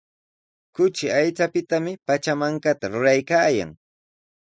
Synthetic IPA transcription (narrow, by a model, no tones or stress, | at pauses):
kʊt͡ʃɪajt͡sapɪt̪amɪpat͡ʃamaŋkat̪aɾʊɾajkaːja̰ŋ